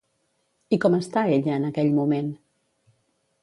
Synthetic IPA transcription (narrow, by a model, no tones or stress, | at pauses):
ikɔməst̪aeʎəːnəkɛʎmumen